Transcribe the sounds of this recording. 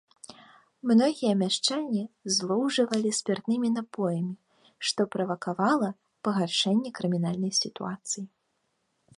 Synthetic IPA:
mnɔɣʲijɛmʲaʂt͡ʂanʲːizlˠɔwʐɐvɐlʲisʲpʲɛrt̪nɨmʲinapɔjɐmʲi | ʂt̪ɔpɾɐvɐkavalˠɐ | pɐɣarʂɛnʲːɛkɾɨmʲinalʲnɐjsʲit̪ṵat̪sɨji

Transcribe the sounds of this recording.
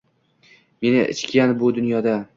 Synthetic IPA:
me̞nɪʔɪ̰t͡ʃkʲanbʊd̪ʊnjɒd̪a

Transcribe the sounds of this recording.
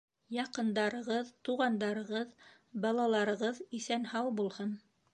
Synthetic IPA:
jɑqɤ̆nd̪ɑɾɤ̆ʁɤðt̪uʁɑnd̪ɑɾɤ̆ʁɤð | bɑlˠɑlˠɑɾɤ̆ʁɤðisænhɑwˠbulˠhɤn

